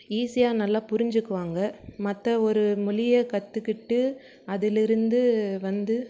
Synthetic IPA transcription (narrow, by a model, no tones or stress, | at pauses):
iːsɪjaːnɐlːaːpʊɾɪɲd͡ʒɯkːɯʋaːŋɡɐmɐt̪ːɐɔɾɯmʊlɪjɐkɐt̪ːɯkːɪʈːɯ | ɐðɪlɪɾɯnd̪ɯʋɐnd̪ɯ